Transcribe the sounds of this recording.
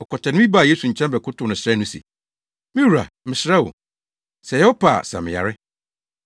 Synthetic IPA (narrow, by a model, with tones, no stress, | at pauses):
ɔ˨kʰɔ˨tʰɛ˨nɪ̃˦mĩ˦ba˦˨je˦su˨ɲ̩˨t͡ɕʰɛ̃˦mbɛ˨kʰʊ˦tʊ˨nʊ̃˨sɾa˦nũ˦sḭ˨ | mĩ˦wɾa̰˨mɪ̃˨sɾa˦wʊ̰˨ | sɛ˨jɛ˦ɔ˦pʰa̰ː˨sa̰˨mɪ̃˨ja̰˨ɾɪ˦